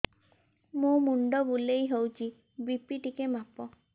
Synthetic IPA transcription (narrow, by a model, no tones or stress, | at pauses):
mumuɳɖɔbulejɦowt͡ʃʰi | bipiʈikemapɔ